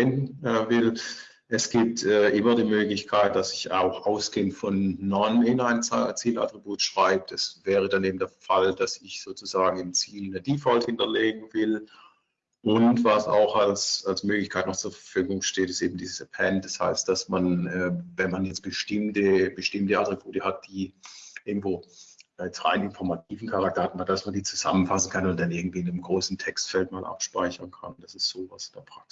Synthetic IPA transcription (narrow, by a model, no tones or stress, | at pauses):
ɛnɛːvɪl | ʔɛsɡ̥iːp̚tɛːʔɪmɐdiːmøːɡlɪçkʰaɪt̚d̥asɪça̰ʊxʔaʊsɡ̥eːəntfɔnːɔnɪnaɪnat͡siːla̰tʁ̥ibuːtʃʁ̥aɪb̚d̥asv̥ɛːʁ̞ədaneːb̚m̩deːɐfald̥asɪçz̥oːt͡suzaːɡŋ̩ɪmt͡siːlnəd̥iːfɔlthɪntɐleːɡŋ̩vɪl | ʔʊntvasa̰ʊxalsalsmøːklɪçkʰaɪtnɔχt͡suːɐfɐfyːɡʊŋʃteːtɪstʔeːbm̩diːzəsəpʰɛnd̥asha̰ɪst̚d̥asmanɛːvɛnmanjɛt͡sb̥əʃtɪmtəb̥əʃtɪmtəatʁ̥ib̥uːtəhat̚d̥iːʔɪɐɡŋ̩tv̥oːɛt͡stʁa̰ɪnɪnfɔɐmatʰiːvn̩kʰaʁak̚tɐhatn̩adasmandiːt͡suza̰mənfasn̩kʰanʊnt̚d̥anʔɪɐɡŋ̩tv̥iːɪnəmɡʁoːsn̩tʰɛkstfɛltmaːlʔa̰pʃpaɪçɐnkʰa̰nd̥asɪstz̥oːvasɪndɛɐpʁ̥ak̚s